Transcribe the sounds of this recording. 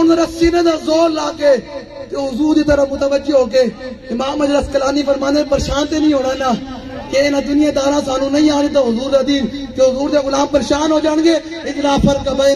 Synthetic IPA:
ʊnzəɾət͡ʃɪnẽːd̪aːzoːɾlaːkeː | t̪eːɦʊzuːɾd̪iːt̪əɾəmʊt̪əʋəd͡ʒeːɦoːk̬eː | ɪmãːmːəd͡ʒləskəlaːniːpəɾmaːnd̪eːpəɾeːʃaːnt̪eːnĩːɦoːɽaːnaː | keɪnãːd̪ʊnɪjãːd̪aːɾãːsaːnũːnəĩːãːnĩːt̪aːɦʊzuːɾd̪aːd̪iːnt̪eːɦʊzuːɾd̪eːɣʊlaːmpəɾeːʃaːnɦoːd͡ʒaːɽ̃ɡeː | ɪd͡ʒlaːpʰəɾd̪kaːbaː

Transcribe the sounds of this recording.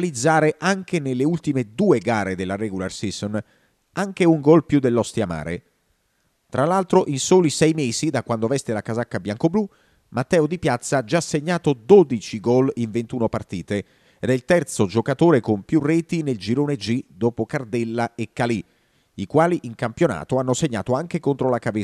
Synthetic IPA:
lid̪zːaːɾeʔaŋk̟enelːeult̪imed̪uːeɡaːɾed̪elːaɾɛɡularsison | aŋk̟euŋɡɔlpjud̪ːelːɔst̪jama̰ːɾḛ | t̪ɾalːalt̪ɾoʔinsoːlisɛjmeːzid̪akwand̪ovɛst̪elakazakːabjaŋkoblu | mat̪ːɛːod̪ipjat̪sːaad͡ʒasːeɲːaːt̪od̪od̪it͡ʃiɡɔliɱvent̪uːnopart̪iːt̪e | ed̪ɛilt̪ɛrt̪sod͡ʒokat̪oːɾekompjurːɛːt̪ineld͡ʒiɾoːned͡ʒid̪oːpokard̪ɛlːaekːali | ikwaːliʔiŋkampjona̰ːt̪oanːoseɲːa̰ːt̪oaŋk̟ekont̪ɾolakave

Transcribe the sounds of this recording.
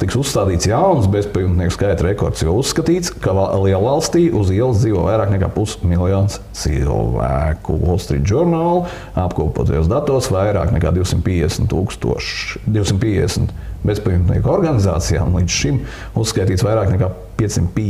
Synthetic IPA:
t̪iksusːt̪aːd̪iːt̪sjawns̬bespajumt̪niɛku̥skajt̪ɾɛkɔ̰ɾt̪sjawusːkɐt̪iːt̪skalˠiɛlˠalˠst̪iːʔuziɛlˠsd̪ziːʋoɔːvajɾaːknɛka̰ːpusmilˠjɔːnst̪sḭlˠvæ̰kṵɔ̰lˠst̪ɾḭːʒuɾnaːlˠ | apkuːpuɔːt̪a̰jo̰ɔːsd̪at̪oɔsʋajɾa̰ːknɛka̰ːd̪iʊsimt̪pʲiːd̪ɛsn̩t̪ːuːkst̪ṵɔʃd̪iuʊsimt̪pʲiɛd̪ɛsm̩t̪bespajumt̪nʲḭɛkɔɾɡaniza̰ːt̪sija̰ːṵnlˠiːd̪zʃim | usːkajt̪iːt̪svajɾaːknɛkaː | piɛssːimt̪p

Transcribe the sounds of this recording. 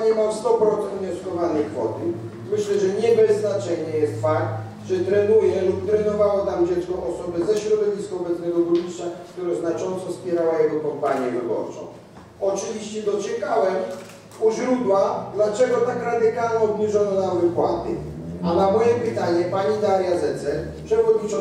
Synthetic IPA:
ɲɛmamst̪ɔpɾɔt̪sɛnd̪vɲɔskɔvanɛjkfɔ̰t̪ɘ | mɘɕlɛʐɛɲɛvɛznat͡ʂɛɲɛjɛst̪fak̚t̪ | ʐɛt̪ɾɛnujɛlupt̪ɾɛnɔvawɔnamd͡ʑɛt̪skɔʔɔsɔbɛzɛɕɾɔd̪ɔvʲiskɔɔbɛt̪snɛɡɔɡɾuist͡ʂakt̪uɾaznat͡ʂɔnt̪sɔfspʲjɛɾawajɛɡɔpɔd̪baɲɛlɔ̰bɔ̰ɾsɔ̰̃w̪ | ɔt͡ʂɘvʲiɕt͡ɕɛd̪ɔt͡ɕɛkawɛm | uʑɾud̪wad̪lat͡ʂɛɡɔt̪akɾad̪ɪkalɲɛɔbɲiʐɔnɔnamvɨpwat̪ɘ̰ | anamɔjɛpɘt̪aɲɛpaɲid̪aɾjazɛt̪sɛl | pʂɛvɔd̪ɲit͡ʂɔ

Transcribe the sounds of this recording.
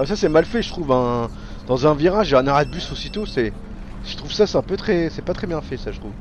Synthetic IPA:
ɛsasɛmalfɛʒət̪χuvɛ̃ | d̪̥ɑ̃zɛ̃viʁaʒeɛ̃naʁad̪̚bysosit̪osɛ | ʒ̥ə̥t̪χuv̥sasɛɛ̃pøt̪χɛsɛpat̪χɛbjɛ̃fɛsaʒət̪χuv

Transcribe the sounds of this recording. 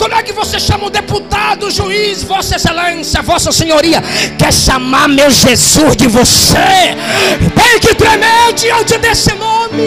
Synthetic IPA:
kõmʊɛkɪvoseʃɐ̃mɐʊd̪eput̪ad̪ʊʒuisvɔsɐselɐ̃sjɐvɔsɐseɲoɾiɐkɛɾʃamaɾmewʒezuzd͡ʒɪvose | t̪ẽj̃kɪt̪ɾemed͡ʒiɐ̃t̪ɪd̪esɪnõmɪ

